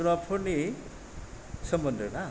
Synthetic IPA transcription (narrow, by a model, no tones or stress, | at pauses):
unapʰːorne | sʌmbʌnd̪ʱʌna